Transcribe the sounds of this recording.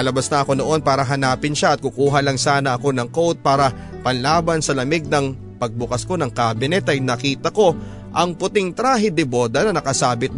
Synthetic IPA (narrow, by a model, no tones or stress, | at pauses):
ɐlɐbasnɐʔɐko̞no̞ʔo̞npaːɾɐɦɐnaːpɪnʃaʔɐt̪̚kʊkuːɦɐlɐŋsaːnɐʔɐko̞nɐŋkowt̪̚paːɾɐ | pɐnlaːbɐnsɐlɐmɪɡ̚nɐŋ | pɐɡ̚bʊkɐsko̞nɐŋkaːbɪnɛt̪ɐjnɐkiːt̪ɐko̞ | ʔɐŋpʊt̪ɪŋt̪ɾaːɦɪd̪ɪbod̪ɐnɐnɐkɐsaːbɪt̪